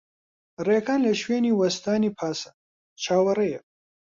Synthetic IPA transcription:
rekʰaːnlɐʃweːniwɐst̪aːnipʰaːsɐ̥ | t͡ʃʰaːwɐɾɐje

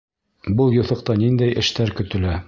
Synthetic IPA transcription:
bɤlˠjŭθɤ̆q̚t̪ɑnind̪æjʔɘ̆ʃt̪æɾkɵ̆t̪ɘ̆læ

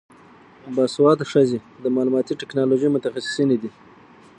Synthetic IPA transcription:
bɑswɑt̪ʂazed̪əmɑlumɑt̪iʈɪknɑloʒəmʊt̪axasɪ̥sined̪i

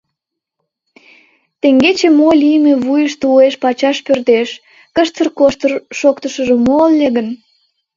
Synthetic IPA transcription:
t̪eŋɡet͡ɕemolijəmeβujəʃt̪ueʃpɑt͡ɕɑʃpørt̪eʃ | kəʃt̪ərkoʃt̪ərʃokt̪əʃəʒemolːeɣən

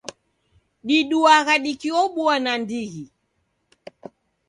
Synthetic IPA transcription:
ɗiɗuaɣaɗikiɔɓuanandiɣi

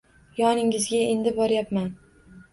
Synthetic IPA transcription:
jɒnɪŋɪzɡʲae̞nd̪ɪbɒɾjapman

